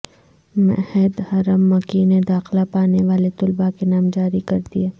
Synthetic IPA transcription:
mɛ̰hɛd̪hɐɾəmːɐkined̪aːxlapaːneʋaːlet̪ʊlbakenaːmd͡ʒaːɾikɐɾd̪ieː

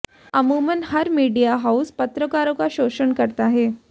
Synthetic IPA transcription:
əmumənhəɾmiɖijaɦauspət̪ɾəkaɾokaɕoɕəɳkəɾt̪aɦe

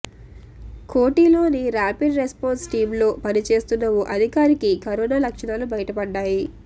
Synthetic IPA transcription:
koːʈiːlo̞ːniɾaːpiɖɾespoːnsʈiːmlo̞ːpɐnit͡ʃe̞ːst̪unːɐʋuʔɐd̪ʱikaːɾikikɐɾoːnaːlɐkʂɐnaːlubɐjɐʈɐpɐɖːaːji

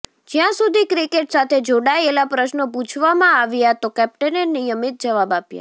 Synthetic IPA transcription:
d͡ʒjãsud̪ʱikɾikeʈsat̪ʰed͡ʒoɽaelapɾəʃnəput͡ʃʰʋamãaʋjat̪okɛp̚ʈənenijəmit̪̚d͡ʒəʋabapja̰

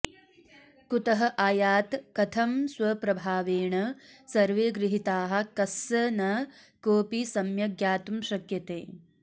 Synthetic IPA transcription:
kut̪ɐɦɐʔaːjaːt̪kɐt̪ʰɐmswɐpɾɐbʱaːʋeːɳɐsɐɾʋeːɡɾɪɦit̪aːɦɐ̆kɐsɐnɐ | koːpisɐmjɐɡjaːt̪umʃɐkjɐt̪ḛː

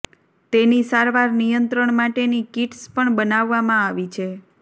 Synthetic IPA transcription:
t̪enisaɾʋaɾnijənt̪ɾəɳmaʈenikiʈspəɳbənaʋːamãaʋit͡ʃʰe

